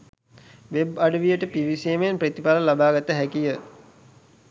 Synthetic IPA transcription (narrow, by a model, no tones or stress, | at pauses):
ʋebaɖəʋijəʈəpiʋiseːmeenpɾet̪ipaləlabaːɡat̪əɦækijə